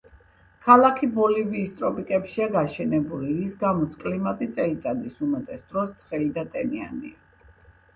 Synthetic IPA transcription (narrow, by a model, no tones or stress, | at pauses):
kʰalˠakʰibɔliviːst̪ʼɾɔpʼikʼɛpʃiaɡaʃɛnɛbuliisɡamɔt̪sʰkʼlimat̪ʼit̪sʼɛlit̪sʼad̪isumat̪ʼɛsd̪̥ɾɔst̪sʰχɛlid̪at̪ʼɛnia̰nḭa